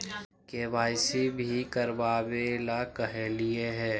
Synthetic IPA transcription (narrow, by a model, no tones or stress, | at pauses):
keːbaːɪsibʱikəɾbaːbeːlakɐɦelieɦɛː